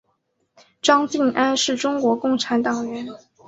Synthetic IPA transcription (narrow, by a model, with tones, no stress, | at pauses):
ʈ͡ʂɑ˥ŋt͡ɕi˥˩ŋʔa˥nʂɻ̩˥˩ʈ͡ʂʊ˥ŋkwɔ˧˥kʊ˥˩ŋʈ͡ʂʰa˧˥nt̪ɑ˨˩ŋɥɛ˧˥n